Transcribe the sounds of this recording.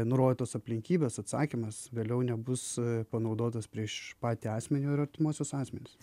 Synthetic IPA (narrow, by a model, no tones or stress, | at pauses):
nʊɾoːd̪ʲɪt̪oːsɐpʲlʲɪŋʲkʲiːbʲeːsɐt̪sɑ̰ːkʲimɐsʋʲeːlʲɛʊnʲɛbʊspɐnɐʊd̪oːt̪ɐspʲɾʲiɛʃpɑːt̪ʲiːɑːsʲmʲɛnʲʊːɪɾɐɾʲt̪ʲɪmuɔsʲosɑːsʲmʲɛnʲɪs